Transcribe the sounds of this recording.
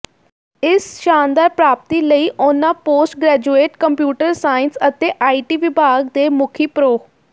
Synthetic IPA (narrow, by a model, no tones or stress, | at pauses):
ɪsʃaːnd̪aːɾpɾaːp̚t̪iːləiːʔʊnãːpoːsʈ̚ɡɾɛːd͡ʒueːʈkəmpjuːʈəɾsaːɪnsət̪eːʔaːiːʈiːʋɪbʱaːɡd̪eːmʊkʰiːpɾoː